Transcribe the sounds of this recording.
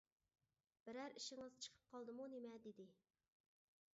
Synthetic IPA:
b̥ɪɾæɾiʃɪŋɨzt͡ʃʰə̥qʰə̥p̚qʰɑlˠd̪ɨmunemɛd̪ed̪ɪ

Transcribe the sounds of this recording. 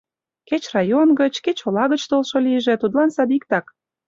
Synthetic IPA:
ket͡ɕrɑjonɡət͡ɕket͡ɕolɑɣət͡ɕt̪olʃoliəʒĕt̪ud̪lɑnsɑd̪ik̚t̪ɑk

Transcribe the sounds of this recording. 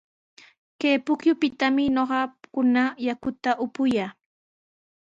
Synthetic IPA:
keːpʊkjʊpɪt̪amɪɲoɢɑkʊnajakʊt̪aʔʊpʊjaː

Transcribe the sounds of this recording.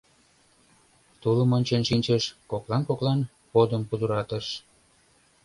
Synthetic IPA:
t̪uləmonʲt͡ɕenʃinʲt͡ɕəʃkoklɑnkoklɑn | pod̪əmpud̪uɾɑt̪əʃ

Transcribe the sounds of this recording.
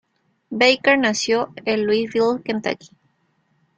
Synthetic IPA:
bejkeɾnasjoelːwizβilkent̪a̰ki̥

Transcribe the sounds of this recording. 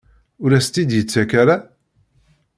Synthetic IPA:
ʊɾæst̪id̪jət͡sːækæɾa

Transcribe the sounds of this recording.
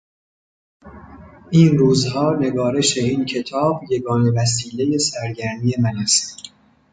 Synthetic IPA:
ʔiːnruːzhɒːne̞ɡɒːɾe̞ʃe̞iːncʰe̞t̪ʰɒːbje̞ɡɒːne̞væs̬iːle̞je̞sæɾɟæɾmiːje̞mænæst̪

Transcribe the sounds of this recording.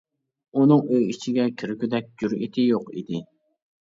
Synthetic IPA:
unɨŋøjit͡ʃʰiɡʲɛkʲʰiɾykʲyd̪ɛk̚ʲd͡ʒyɾit̪ʰɪjoqḭd̪ɪ

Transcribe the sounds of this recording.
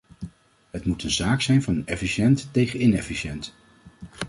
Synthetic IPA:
ɦətmutənzaːksɛjnvɑnɛfiʃɛntːejχənɪnɛfiʃɛnt

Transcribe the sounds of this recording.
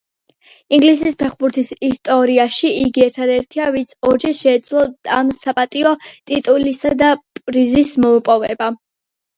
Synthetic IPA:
iŋɡlisispʰɛχbuɾt̪ʰisist̪ʼɔɾiaʃiiɡiɛɾt̪ʰad̪ɛɾt̪ʰiavit̪sʰɔɾd͡ʒɛʃɛːd̪zlˠɔamsapʼat̪ʼiɔt̪ʼit̪ʼulisad̪apʼɾizismɔupʼɔvɛba

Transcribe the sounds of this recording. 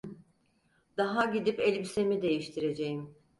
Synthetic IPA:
d̪aɦaɟid̪ipelʲbise̞mid̪e̞jiʃt̪ʰiɾe̞d͡ʒe̞jim

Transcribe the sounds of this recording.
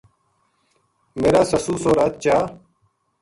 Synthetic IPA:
meːɾaːsəsuːsoːɾaːt̪̚t͡ɕaː

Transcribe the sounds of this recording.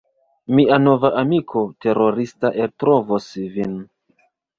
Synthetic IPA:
miano̞vaʔamikʰo̞te̞ɾo̞ɾistaʔeltɾovosvin

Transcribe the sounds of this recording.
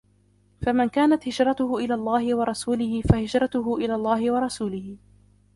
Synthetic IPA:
famɪnkaːnat̪hɪd͡ʒɾˤɑt̪ʊhʊʔɪlaːlˤːɑːhɪwɑɾˤɑsuːlɪhɪfahɪd͡ʒɾˤɑt̪ʊɦʊʔɪlaːlˤːɑːhɪwɑɾˤɑsuːlɪhɪ

